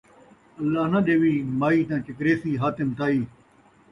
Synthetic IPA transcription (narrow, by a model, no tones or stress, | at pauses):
ɐlːaːɦnaɗeːʋiːmaːiːt̪̬ãːt͡ʃɪkɾeːsiːɦaːt̪ɪmt̪aːiː